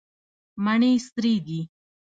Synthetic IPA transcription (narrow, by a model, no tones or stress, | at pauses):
maɳiːst̪ɾiːd̪i